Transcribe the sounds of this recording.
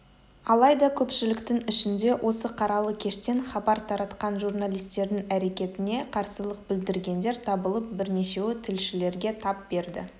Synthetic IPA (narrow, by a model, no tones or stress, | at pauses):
ɑlˠɑjd̪ɑkʲʰɵpʃɪlɪkt̪ɪŋɪʃɪnd̪e̞wʔo̞səqʰɑɾɑlˠəkʲʰe̞ʃt̪e̞ɴχɑbɑɾt̪ʰɑɾɑt̪qɑnʒurnalˠijst̪e̞ɾd̪ɪŋæɾe̞kʲe̞t̪ɪne̞qʰɑɾsəlˠəq̚b̥ɪld̪ɪɾɡʲe̞nd̪e̞ɾt̪ʰɑbəlˠəp̚bɪɾne̞ʃe̞wɪt̪ʰɪlʃɪle̞ɾɡʲe̞t̪ʰɑp̚b̥e̞ɾd̪ɪ̰